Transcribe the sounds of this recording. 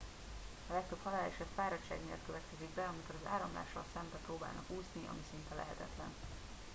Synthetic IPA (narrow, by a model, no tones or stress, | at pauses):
ɒlɛk̚t̪ø̞phɒlaːliʃɒbfaːɾɒt͡ʃːaːɡmḛːlt̪̚køvɛt̪kɛziɡbɛɒmiko̞ɾɒza̰ːɾɒmla̰ːʃːɒlsɛmbɛproːbaːlnɒ̰kuːzniʔɒ̰misint̪ɛlʔɛ̰ɦɛt̪ɛt̪lɛ̰n